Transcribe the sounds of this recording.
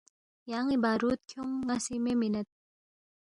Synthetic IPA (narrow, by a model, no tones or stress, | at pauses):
jaŋibaɾut̪̚kʰoŋːasimeminət̪̚